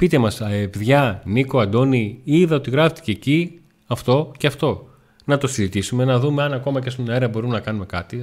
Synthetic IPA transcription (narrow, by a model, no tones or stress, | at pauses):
pit̪e̞mɐsɐevðʝɐniko̞ɐd̪o̞niiðɐot̪iɣɾɐft̪i̥ceːci | ɐft̪o̞ceɐft̪o̞ | nɐt̪o̞sizit̪isume̞nɐðume̞ɐnɐko̞mɐcest̪oneɾɐbo̞ɾumenɐkɐnume̞kɐt̪i